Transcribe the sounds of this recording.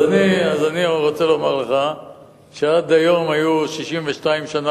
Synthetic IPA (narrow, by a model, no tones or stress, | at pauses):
aniazaniʁot͡se̞lo̞maʁleχa | ʃead̪ajo̞majuʃiʃimveʃtaimʃana